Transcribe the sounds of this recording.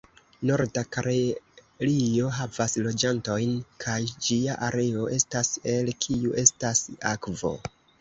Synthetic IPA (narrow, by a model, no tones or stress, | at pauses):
no̞ɾdakaɾe | lio̞ɦavaslo̞d͡ʒanto̞jnkʰajd͡ʒiaʔaɾe̞o̞ʔe̞stase̞lkʰiuʔe̞stasa̰kvo̞̰